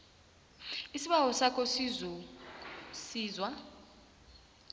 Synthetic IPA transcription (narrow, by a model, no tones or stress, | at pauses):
isiɓawɔsakʰɔsi | siːzwa